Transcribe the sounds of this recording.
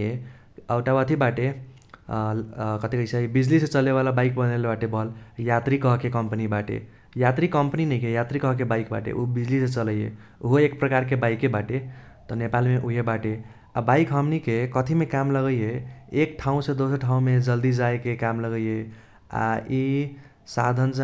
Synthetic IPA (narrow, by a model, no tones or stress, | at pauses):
e | əʊʈabət̪ʰibaʈe | kət̪ʰikəɪseibid͡ʒlisẽt͡ʃəleβalabaikbənelebaʈebʌljat̪ɾikʌɦkekəmpnibaʈḛ | jat̪ɾikəmpəninəjkejat̪ɾikʌɦk̬ebaikba̰ʈḛʔubid͡ʒlisẽt͡ʃələjḛ | uɦoek̚pɾəkaɾkebaikːebaʈe | t̪ɔnepalmeʔuɦebaʈe | a̰baɪkɦəmnikekət̪ʰimekamləɡəjeekʈʰaũsẽd̪osəɾʈʰaũmed͡ʒəld̪id͡ʒaekekamləɡəje | a̰i | sad̪ʱəns